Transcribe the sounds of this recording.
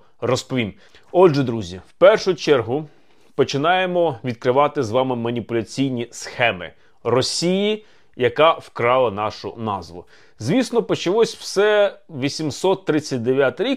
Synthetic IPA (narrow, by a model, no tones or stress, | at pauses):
rɔspɔʋʲim | ɔd̪ʒɛd̪ɾuzʲiwpɛrʃʊjt͡ʃɛrɦʊ | pɔt͡ʃɪnɑjemɔʋʲid̪̚kɾɪʋɑt̪ɪzʋɑmɪmɐnʲipʊlʲɐt͡sʲijnʲisxɛmɪ̰ | rɔsʲiji | jɐkɑwkɾɑlˠɐnɑʃʊ̰nɑ̰zʋʊ̰ | zʲʋʲisnɔpɔt͡ʃɪlˠɔsʲw̥sɛʋʲisʲimsɔt̪ːɾɪt͡sʲːɐt̚ʲd̪eʋʲjat̪ɪɾʲik